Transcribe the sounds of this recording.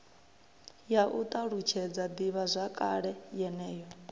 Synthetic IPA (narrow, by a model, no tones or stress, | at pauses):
jaʔut̪ʼaɺut͡ʃʰɛd͡zad̪iβazʷakʼaɺɛjɛnɛːjɔ